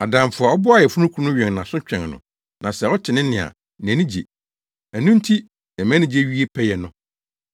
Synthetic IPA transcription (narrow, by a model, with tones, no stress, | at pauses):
a˨dã˨m˨fʊ˨a˨ɔ˦bʊ˦a˦˨jɛ˨fu˦nʊ̃˦kʰu˦u˦nʊ̃˦ɥɛ̃˨ŋ˨nã˨sʊ̃˦t͡ɕᶣɛ̃˨ŋnʊ̰̃˨ | nã˨sɛ˨ɔ˦t͡ɕʰɪ˨nɪ̃˦nɪ̃˨a̰˨ | n˨æ̃˨nĩ˦d͡ʑḛ˨ | æ˨nũ˦n̩˦tʰi˦ | nɛ̃˨mæ̃˦nɪ̃˦˨d͡ʑe˦ɥi˦e˦pʰɛ˦jɛ˨nʊ̃˨